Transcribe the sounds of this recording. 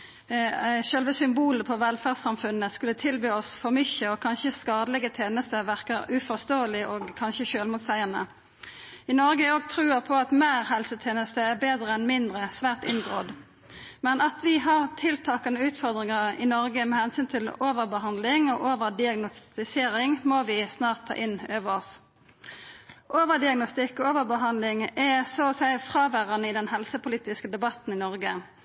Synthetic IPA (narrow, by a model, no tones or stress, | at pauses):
ʃœlʋəsʏmbuːləpʰɔʋɛlfæːʁsɑmfʉnːəskʉlːət̪ʰɪlbyːɔsfɔʁmʏçəɔkʰɑnçəskɑːd̪əlɛɡət̪ʰeːnəst̪əʋæʁkəɾʉfɔʁst̪oːəlɪʔoːɡkʰɑnçəʃøːlmʊːt̪sæɪənə̰ | ɪnɔɾɡəoːɡ̚t̪ʰɾʉːəpʰɔɑt̪meːʁɦɛlsət̪ʰeːnəst̪əæʁbeːd̪ʁəɛnmɪnd̪ʁəsʋæːʁt̪ɪ̰nɡʁoːd̪ | mɛnɑt̪ʋɪɦɑʁt̪ʰɪlt̪ʰɑːkɑnəʉːt̪fɔʁd̪ʁɪŋɑʁɪ̰nɔʁɡəmɛhɛnsyːnt̪ʰɪloːʋəʁbəhɑnd̪lɪŋoːʔoːʋəʁd̪ɪɑɡnʊst̪ɪseːʁɪŋmoːʋɪsnɑːʁt̪ʰːɑ̰ːʔɪnøːʋəʁɔs | ʔoːʋəʁd̪ɪɑɡnɔst̪ɪkːɔoːʋəʁbəɦɑnd̪lɪŋɛsoːsæɪfʁɑːʋæʁɑnəɪd̪ɛnhɛlsəpʊliːt̪ɪskəd̪ɛbɑt̪n̩ɪnɔʁɡə